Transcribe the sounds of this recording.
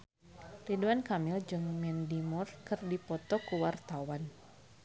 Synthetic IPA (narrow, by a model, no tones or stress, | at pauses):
riduankamɪld͡ʒɨŋmɛndimurkɨrdipɔt̪ɔkuwart̪awan